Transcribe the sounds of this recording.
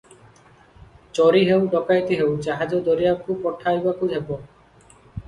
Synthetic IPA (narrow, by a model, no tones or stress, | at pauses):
t͡ɕɔɾiɦewɖɔkajt̪iɦewd͡ʑaɦad͡ʑod̪oɾijakʰubpɔʈʰːajbakʰudʱebo